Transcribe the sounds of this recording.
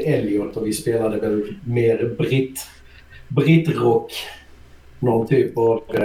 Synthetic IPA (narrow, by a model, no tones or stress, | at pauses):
ɛljɔlt̪ɔvɪspeːlad̪əɡɛlmeːɾbɾɪt̪ | bɾɪt̪ɾɔkː | nɔnt̪ʰyːpɑv